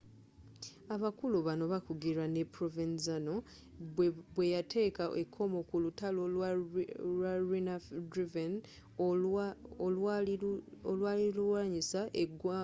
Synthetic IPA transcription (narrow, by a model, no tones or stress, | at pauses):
aβakuluβano̞βakuɡiɾanepɾovinzano̞ | βwe̞jatʰe̞ːkaʔekʰːo̞mokulutalow | waɾinadɾiven | olwaːliluwaːɲisaʔeɡwa